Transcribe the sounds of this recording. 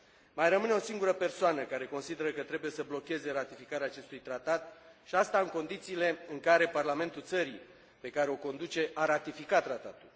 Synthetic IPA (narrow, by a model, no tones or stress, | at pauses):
majrəmɨne̞o̞siŋɡuɾəpe̞rsoanəkaɾe̞ko̞nsid̪e̞ɾəkət̪ɾe̞buje̞səblo̞kʲe̞zeɾat̪ifikaɾeaːt͡ʃe̞st̪ujt̪ɾat̪at̪ʃiast̪aɨŋko̞nd̪it̪siːle̞ɨŋkaɾe̞parlame̞nt̪ut̪səɾi | pe̞kaɾe̞o̞ko̞nd̪ut͡ʃe̞ʔaɾat̪ifikat̪ːɾat̪at̪ul